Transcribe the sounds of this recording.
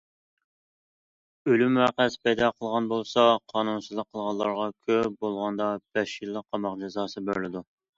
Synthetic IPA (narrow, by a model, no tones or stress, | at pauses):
ølymæqæspʰɛjd̪ɑqʰəlˠʁɑnbolˠsɑqʰɑːnunsɨzlˠəqʰːəlˠʁɑnlˠɑɾʁɑkʲʰøbolˠʁɑnd̪ɑb̥ɛʃilˠːəq̚qʰːɑmɑqd͡ʒɛzɑːsɨbøɾlɪd̪u